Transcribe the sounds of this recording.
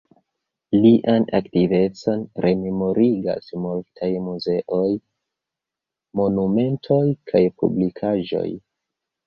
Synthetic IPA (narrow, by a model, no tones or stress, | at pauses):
liʔana̰ktive̞t͡so̞nɾʔe̞memo̞ɾiɡa̰smultʰajmuze̞ʔo̞j | mo̞nume̞ntʰo̞jkʰajpṵblikʰaʒo̞̰j